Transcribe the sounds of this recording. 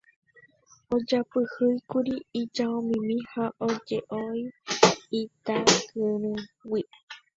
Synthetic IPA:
od͡ʒapɨhɨjkuɾiːd͡ʒaõmĩmĩhaʔod͡ʒeʔoiit̪akɨɾ̃ũwi

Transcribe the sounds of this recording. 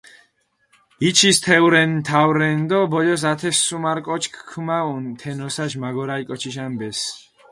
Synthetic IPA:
it͡ʃʰist̪ʰɛwɾɛnmt̪ʰawɾɛnd̪ɔbɔjɔs̬at̪ʰɛsːumaɾkʼɔt͡ʃʰkʰkʰːmaunt̪ʰɛnɔsaʃmaɡɔɾaikʼɔt͡ʃʰiʃ̬anbɛs

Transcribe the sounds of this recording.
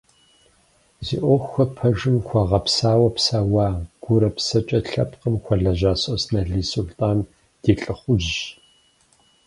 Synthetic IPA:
zḭːʔʷoxʷxʷɐpʰɐʒɨmxʷɐʁɐpsaːwɐpsaːwaːɡ̥ʷʊɾɐpsɐt͡ʃʼɐɬɐpqəmxʷɔɮɐʒaːsʼɐsnɐɮiːsuɮtʼaːn | d̥iːɬʼɨχʷʊʒʒ

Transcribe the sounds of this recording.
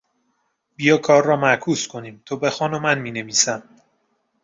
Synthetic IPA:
b̥ijɒːkʰɒːɾːɒːmækʰuːskʰo̞niːmt̪ʰobe̞xɒːnomænmiːneviːsæm

